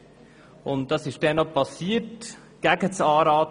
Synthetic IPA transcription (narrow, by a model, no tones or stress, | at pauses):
ʊnt̚d̥ɑsɪʃd̥ɛnɔpʰɑsiːət | ɡ̥æɡət͡sɑːɾɑːt